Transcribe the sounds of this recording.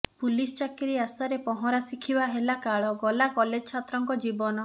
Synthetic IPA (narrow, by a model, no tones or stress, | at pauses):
pulist͡ʃakiɾiasaɾepɔɦɔɾasikʰibaɦelakaɭɔɡɔlakɔled͡ʒɔt͡ʃʰat̪ɾɔŋkɔd͡ʒibɔnɔ